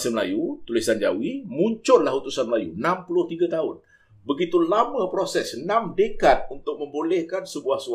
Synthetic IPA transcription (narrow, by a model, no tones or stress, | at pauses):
səməla̰jut̪ulisand͡ʒa̰wimũɲt͡ʃʊlahut̪usanməlajunãmpulʊht̪iɡat̪aʊn | bəɡit̪ulamapɾosɛsnãmdəkat̪̚unt̪ʊk̚mə̃mbolɛhkansəbuahsu